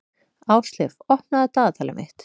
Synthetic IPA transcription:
aːwst̪lɪfɔhpnaðat̪aːðat̪ʰaːlɪmʔɪ̰ht̪

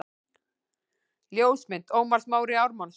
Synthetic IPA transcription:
ljoːwsmɪn̥t̪oːwmaɾ̥smaːwɾɪawɾmɔn

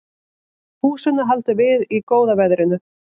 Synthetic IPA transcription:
huːsɛnaɦalt̪ʏvɪðikoːwðavɛðɾɪnʏ

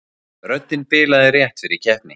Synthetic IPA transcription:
ɾœt̪ːɪnpɪːlaðɪrjɛht̪ɪɾicʰɛhpnɪ

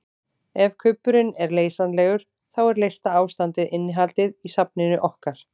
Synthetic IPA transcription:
ɛvkʰʏpːʏɾɪnɛɾleːjsanlɛːɣʏɾ̥ | θawɛɾlejst̪aaːwst̪ant̪ɪðɪnːɪɦalt̪ɪðisapnɪnʏʔɔhkaɾ̥

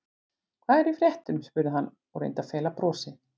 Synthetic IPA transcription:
kʰvaːðɛɾifɾjɛht̪ʏʏmspʏɾðɪɦanː | ɔɣrḛjnt̪afɛːlapɾɔːsɪ

